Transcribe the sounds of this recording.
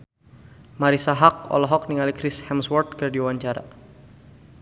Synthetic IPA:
maɾisaɦak̚ɔ̰lɔɦɔk̚niŋalikɾɪshɛmswɔrt̪̚kɨrdiuwaɲt͡ʃaɾa̰

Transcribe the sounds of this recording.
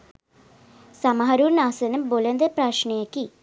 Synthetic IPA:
sɐmɐɦɐɾuːɾnaːsɐnɐmbolend̪epraːʂɳɐjɐkːi

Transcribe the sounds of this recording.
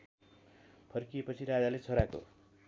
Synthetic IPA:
pʰʌrkiepʌt͡sʰiɾad͡zalet͡sʰoɾako̰

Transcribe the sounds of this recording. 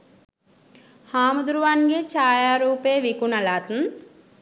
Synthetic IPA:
haːmud̪uɾuʋaːnɡet͡ʃaːjaːɾuːpeːʋikunɐlaːt̪n

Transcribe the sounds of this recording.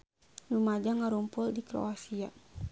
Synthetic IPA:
rumad͡ʒaŋaɾumpʊldikɾo̰asia

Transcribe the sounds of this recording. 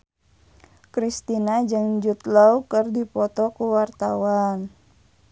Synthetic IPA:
kɾist̪inad͡ʒɨŋd͡ʒut̪laukərdipɔt̪ɔkuwart̪awan

